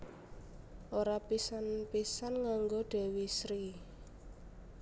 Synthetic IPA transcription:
ʔoɾapisanpisanŋaŋɡoɖ̥ɛ̤wisɾi

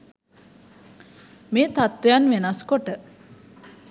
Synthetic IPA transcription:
meːt̪at̪ʋejanʋenaskoʈə

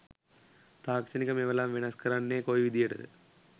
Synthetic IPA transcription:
t̪aːkt͡ʃɐnikɐmɛʋɐlaːmʋinɐskɐɾanːeːkoːjʋid̪ʱijɐʈɐ̰d̪ɨ̰

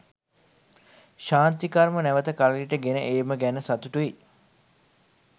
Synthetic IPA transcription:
ʃaːnt̪ikaɾmənæʋət̪əkaləliʈəɡenəʔeːməɡænəsat̪uʈui

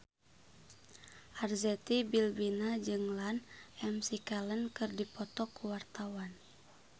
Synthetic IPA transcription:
ʔarzɛt̪ibilbinad͡ʒɨŋlanʔɛmsikalənkɨrdipɔt̪ɔkuwart̪awan

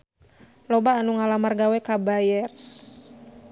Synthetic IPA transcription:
lobaːnuŋalamarɡawɛkabajɛr

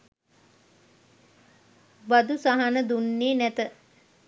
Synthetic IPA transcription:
bad̪usaɦanəd̪unːeːnæt̪ə

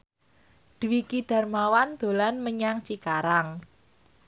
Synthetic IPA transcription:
d̪̥uwikid̪̥a̤rmawand̪̥o̤lanməɲaŋt͡ʃikaɾaŋ

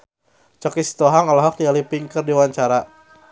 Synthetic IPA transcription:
t͡ʃɔkist̪ɔɦaŋalɔɦɔk̚dialipiŋkərdiwaɲt͡ʃaɾa

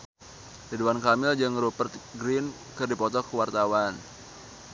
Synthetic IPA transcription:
diduankamɪld͡ʒɨŋɾupərt̪̚ɡɾɪn | kɨrdipɔt̪ɔkəwart̪awan

